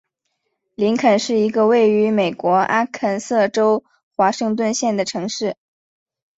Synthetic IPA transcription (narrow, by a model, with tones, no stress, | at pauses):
li˧˥nkʰə˨˩nʂɻ̩˥˩i˧˥ɡə˧we˥˩ɪy˧˥me˨˩ɪkwɔ˧˥ʔa˥kʰə˥˩nsɤ˥˩ʈ͡ʂo˥ʊ | xwa˧˥ʂɤ˥˧ŋt̪wə˥˧nɕjɛ˥˩nd̪ə˩ʈ͡ʂʰɤ˧˥ŋʂɻ̩˥˩